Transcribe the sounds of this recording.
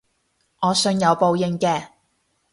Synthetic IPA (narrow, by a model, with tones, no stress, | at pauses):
ŋɔː˨˧sɵ˧njɐ˨˧wpo˧wjɪ˨˧ŋkɛː˧